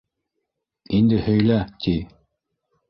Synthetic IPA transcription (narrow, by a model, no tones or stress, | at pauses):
ind̪ɘhɵ̆jlæt̪ʰi